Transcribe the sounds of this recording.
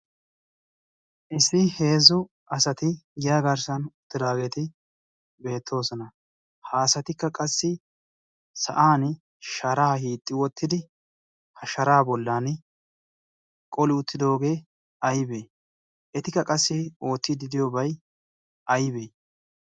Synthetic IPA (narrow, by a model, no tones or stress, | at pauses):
ʔɪsɪhe̞ːzʊ | ɐsɐt̪ɪɡɪjaːɡɐɾsɐnʊt̪ːɪd̪aːɡe̞ːt̪ɪ | be̞ːt̪ʰːo̞ːsɔnɐ | haːsɐt̪ɪkːɐkʼɐsːɪ | sɐ̰ʔaːn | ʃɐɾaːhiːt̪ʼːɪwɔt̪ːɪd̪ɪ | hɐʃɐɾaːbɔlːaːn | kʼɔlɪʊt̪ːɪd̪o̞ːɡe̞ː | ɐjbeː | ʔɛt̪ɪkːɐkʼɐsːɪo̞ːt̪ːɪd̪ɪd̪ɪjobɐj | ɐjbe